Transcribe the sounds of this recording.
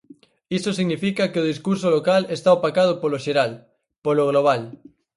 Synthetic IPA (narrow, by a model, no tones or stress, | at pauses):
isosiɣnifikakeoð̞iskuɾsolokalest̪aopakað̞opoloʃeɾal | poloɣ̞loβ̞al